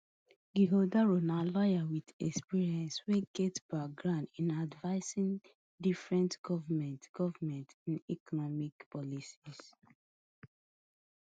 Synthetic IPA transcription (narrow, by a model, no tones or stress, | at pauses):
ɡiɦodaɹonalɔjawidɛkspiɹiɛ̃nsweɡɛtbak̚ɡɹãʊndĩnadvaɪsĩn | difɹɛ̃ntɡ̥ɔvamɛ̃ntɡ̥ɔvamɛ̃ntĩnikɔnɔmikpɔlisis